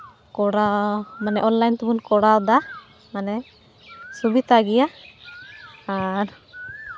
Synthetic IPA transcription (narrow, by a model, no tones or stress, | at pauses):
kɔɽamanɛʔɔnlajnt̪ubunkɔɽawd̪a | manɛ | subit̪aɡija | aɾ